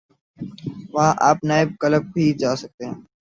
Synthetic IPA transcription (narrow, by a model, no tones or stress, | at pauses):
ʋãːʔaːpnaːɪb̚kələb̚tʰiːd͡ʒaːsək̚d̪ẽː